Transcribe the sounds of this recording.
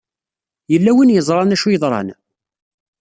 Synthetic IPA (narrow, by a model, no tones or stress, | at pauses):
jəlːæwinjəzˤɾˤɑnæʃujəðˤɾˤɑ̰n